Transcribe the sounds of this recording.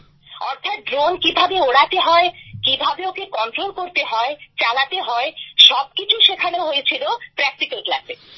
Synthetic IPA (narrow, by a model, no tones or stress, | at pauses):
ɔɾt̪ʰat̪̚ɖɾonkibʱabeoɽat̪eɦɔekibʱabeokekɔɳʈɾolkoɾt̪eɦɔet͡ɕalat̪eɦɔeʃɔb̚kit͡ɕʰuʃekʰaneɦojet͡ɕʰilopɾɛk̚ʈikalʈlase